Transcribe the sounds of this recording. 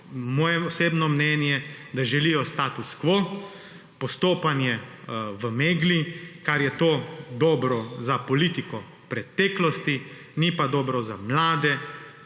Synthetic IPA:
mɔːjɛɔseːbnɔmnɛnjɛɛd̪aʒɛlijɔst̪aːt̪uskʋo | pɔst̪oːpanjɛʋəmeːɡlikaɾjɛt̪oːd̪ɔːbɾɔzapɔlit̪ikɔ | pɾɛt̪ɛːklɔst̪i | nipad̪ɔːbɾɔzamlaːd̪ɛ

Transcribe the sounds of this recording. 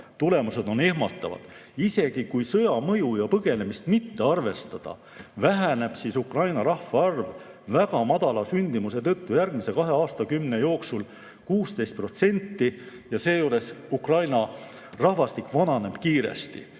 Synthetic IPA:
t̪ule̞muse̞d̪̥o̞ne̞hmɑt̪ːˑɑvɑ̰d̪̥ise̞ɡ̥ikujsɤ̞jɑmɤjujɑpɤɡ̥e̞ne̞mist̪mit̪ːe̞ɑrve̞st̪ɑd̪̥ɑ̰ | væɦæne̞b̥sisukrɑjnɑɾɑhvɑɑrv | væɡɑmɑd̪̥ɑlɑsynʲd̪̥imus̬e̞t̪ɤ̞t̪ːujærɡ̥mise̞kɑɦe̞ɑːst̪ɑkymne̞jo̞ːksul | kuːst̪e̞jst̪̚pro̞t̪se̞nʲt̪ːi | jɑse̞ːjuːɾe̞sukrɑjnɑ | rɑhvɑst̪ikːvɑnɑne̞b̥kiːɾḛst̪ḭ

